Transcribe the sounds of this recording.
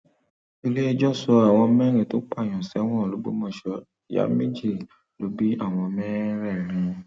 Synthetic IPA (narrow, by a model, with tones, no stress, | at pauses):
i˧le˦ɛ˧d͡ʒɔ˦sɔ˧a˨w̃ɔ̃˧mɛ̃˦ɾ̃ẽ˨to˨˦k͡pa˦˨j̃ɔ̃˨sɛ˨˦w̃ɔ̃˦˨lo˨˦ɡ͡bo̰˦mɔ̃˧˨ʃɔ˧˨ | ja̰˦mĩ˦d͡ʒi˦˨ | lo˨˦bi˦a˦˨w̃ɔ̃˧mɛ˦ɾɛ˦˨ɾ̃ĩ˧